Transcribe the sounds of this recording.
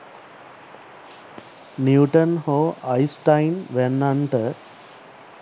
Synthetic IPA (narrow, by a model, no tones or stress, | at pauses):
niuʈənhoːɐjsʈajnʋɛnːaɳʈə